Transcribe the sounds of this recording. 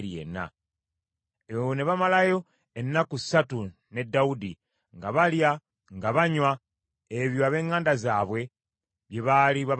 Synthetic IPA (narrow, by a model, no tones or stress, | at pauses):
ɾjḛnːa̰ | eβone̞βamalajo̞ | enːakusatu | ne̞dːaudi | ŋɡaβalja | ŋɡaβaɲwa | eβjoaβe̞ːŋːaːndazaːβwe̞ | βjeβaliβa